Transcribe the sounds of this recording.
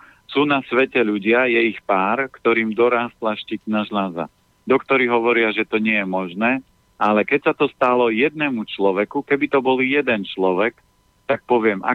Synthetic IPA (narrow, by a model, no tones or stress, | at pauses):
suːnasʋɛcɛʎuɟɪajɛixpaːɾkt̪ɔɾiːmd̪ɔɾaːst̪laʃcicnaʒlaza̰ | d̪ɔkt̪ɔɾiɦɔʋɔɾɪaʒɛt̪ɔɲɪɛjɛmɔʒnɛː | alɛkɛcsat̪ɔst̪alɔjɛd̪̚nɛmut͡ʃlɔʋɛkukɛbit̪ɔbɔljɛd̪ɛnt͡ʃlɔʋɛk | t̪ak̚pɔʋɪɛmʔa̰